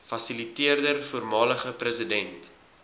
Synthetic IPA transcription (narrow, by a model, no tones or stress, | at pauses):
fɐsilitiərdərfuːrmɑːləχəprəsədɛnt